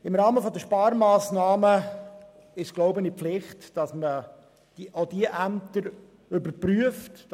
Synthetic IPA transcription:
ɪmɾɑːməfɔd̪əʃpɑːɾmaːsnɑːmə | ɪʃɡ̥loʊbənipflɪχtd̥ɑsmə | d̥iʔod̥iəʔæmt̪əɾ | ʏbəɾpɾyəft

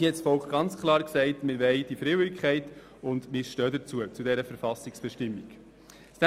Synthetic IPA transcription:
ihɛtsfɔlkχɡ̥ɑnt͡skʰlˠɑːɾksɛɪtmɪɾʋɛɪd̥ifɾɪwikχɛɪt | ʊndmɪʃtœːdət͡suət͡sudɛɾəfəɾfɑsɪksb̥ɛʃtɪmːik | stæ

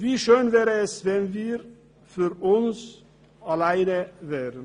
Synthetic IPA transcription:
viːʃøːnvɛːʁəɛsvɛnviːɾ | fyʁʊns | alaɪnəvɛːʁən

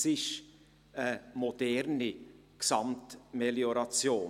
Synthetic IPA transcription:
sɪʃ | əmod̥ɛɾni | ksɑmtmeljoɾɑt͡sjoː

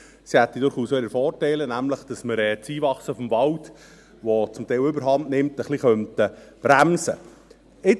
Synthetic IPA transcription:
sihɛt̪ːidʊɾχuːsʋɛləfɔːrtæɪlənæmləχd̥ɑsməɾɛt͡siːvɑχsəfɔmvɑlt | ʋɔt͡sʊmt̪ɛɪlʏbəɾɦɑntnɪmtəχliχœntəb̥ɾæmsə̰ | ɪ

